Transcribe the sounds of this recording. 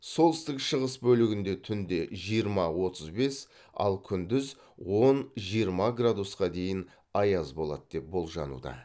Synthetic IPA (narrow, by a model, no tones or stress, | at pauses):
so̞lˠɪst̪ɪkʃəʁəsbɵlɪɡʲɪnd̪e̞t̪ʰʏnd̪e̞ʒijəɾmɑwo̞t̪əzbe̞s | ɑ̰lˠkʲʰʏnd̪ɪz | wo̞nʒijəɾmɑɡrad̪usqɑd̪e̞jɪn | ɑjɑzbo̞lˠɑ̰t̪d̪̥e̞p̚bo̞lˠʒɑ̰nṵd̪ɑ̰